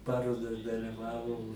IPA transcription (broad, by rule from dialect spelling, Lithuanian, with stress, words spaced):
ˈpɑːroːdɐs dɐlʲɪˈʋɑːʋɐʊ